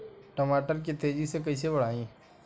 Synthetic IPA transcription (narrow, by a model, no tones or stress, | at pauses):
ʈəmaːʈəɾk̬et̪eːd͡ʒisek̬əiːs̬ebəɽ̤aːĩː